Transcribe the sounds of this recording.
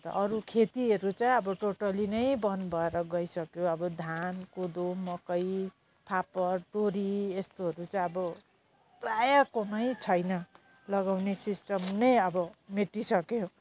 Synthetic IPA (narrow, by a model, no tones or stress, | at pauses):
t̪ʌ̰ʔʌɾukʰet̪iɦʌɾut͡saj̃ʌbʌʈoʈʌlinʌjbʌnbʱʌeɾʌɡʌisʌkjoʌbʌd̪ʱankud̪omʌkʌj | pʰapʌrt̪oɾiest̪oɦʌɾut͡saij̃ʌbʌ | rajakonʌjt͡sʰʌjnʌ | lʌɡawnesisʈʌmnʌjʌbʌmeʈisʌkjo